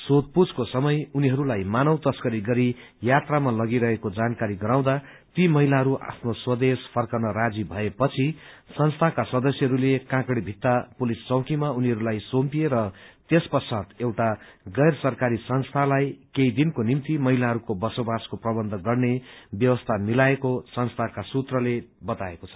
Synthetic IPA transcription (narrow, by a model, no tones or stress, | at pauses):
sot̪̚pud͡zkosʌmʌjuniɦʌɾulajmanʌwt̪ʌskʌɾiɡʌɾi | jat̪ramalʌɡiɾʌɦekod͡zankaɾiɡʌɾaw̃d̪a | t̪imʌɦilaɦʌɾuʔa̰pʰnoswʌd̪espʰʌrkʌnʌɾad͡zibʱʌepʌt͡sʰi | sʌnst̪ʰakasʌd̪ʌsjʌɦʌɾulekãkɽibʱit̪ːapulist͡sʌwkimauniɦʌɾulajsompieɾʌt̪espʌsʰat̪ewʈaɡʌjrsʌrkaɾisʌnst̪ʰalajkeid̪inkonimt̪imʌɦilaɦʌɾukobʌsobaskoprʌbʌnd̪ʱʌɡʌrnebjʌwʌst̪ʰamilaekosʌnst̪ʰakasut̪rʌlebʌt̪aekot͡sʰʌ̥